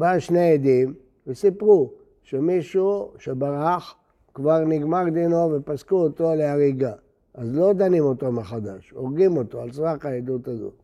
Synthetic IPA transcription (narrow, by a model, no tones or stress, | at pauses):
baʃneed̪im | vesipʁu | ʃemiʃuʃebaʁaχ | kvaʁniɡmaʁd̪inovepaskuoto̞leaʁiɡa | ʔazlo̞d̪animo̞t̪omeχad̪aʃoʁɡimo̞t̪oalsʁakaed̪utazo̰